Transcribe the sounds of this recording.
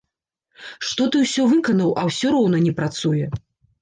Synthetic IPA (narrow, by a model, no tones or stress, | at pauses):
ʂt̪ɔt̪ɨwsʲɔvɨkɐnɐwʔɐwsʲɔɾɔwnɐnʲɛpɾat̪sujɛ